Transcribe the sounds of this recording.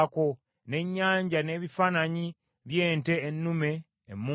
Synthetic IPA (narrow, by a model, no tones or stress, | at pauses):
ko̞ | ne̞ɲːaːɲɟane̞ːβifaːnaɲi | βje̞ːnte̞ːnːume̞ː | muː